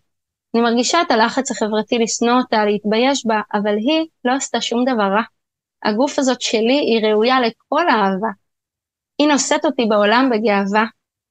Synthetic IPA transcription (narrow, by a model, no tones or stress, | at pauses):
animaʁɡiʃaetalaχat͡shaχe̞vʁatilisnootaleit̪baje̞ʃbaʔavalɦilo̞ast̪aʃumd̪avaʁa | ha̰ɡufazo̞tʃe̞liʔiʁe̞ujale̞k̚o̞laːva | ino̞se̞to̞tibeo̞lambe̞ɡe̞ava